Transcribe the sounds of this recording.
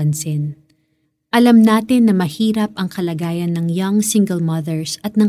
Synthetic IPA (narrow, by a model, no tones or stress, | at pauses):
ɐnsɪn | ʔɐlɐmnaːt̪ɪnːɐmɐhiːɾɐp̚ʔɐŋkɐlɐɡaːjɐnːɐŋjɐŋsɪŋɡɛlmɐðɛɹsɐt̪̚nɐŋ